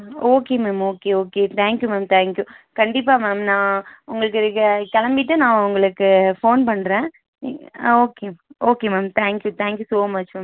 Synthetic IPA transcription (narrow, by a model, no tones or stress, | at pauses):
oːkeːmeːmoːkeoːket̪ʰaːŋkjumaːmt̪ʰaːŋkjukɐɳɖɪp̬ːaːmɛːmnãːʊŋɡɐɭɯk̬ːɪɾɯkːɐkɐɭɐmbɪʈːɯnãːʊŋɡɐɭɯkːɯfoːnpɐɳːɾẽː | oːkeːoːkemaːmt̪ʰaːŋkjut̪ʰaːŋkjusoːmɐt͡ʃmam